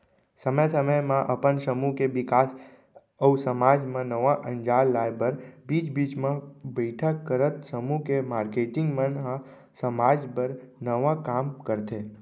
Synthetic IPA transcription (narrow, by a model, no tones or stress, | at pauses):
səməjsəməjmãʔəpənsəmukebɪkaːs | əusəmaːd͡ʒmẽnəʋãʔə̃nd͡ʒaːlːaːjbəɾbiːt͡ʃbiːt͡ʃmẽbəɪʈʰəkːəɾət̪səmukemaːɾkeːʈɪ̃ŋɡmẽnɦã | səmaːd͡ʒpəɾnəʋãkaːmkəɾt̪e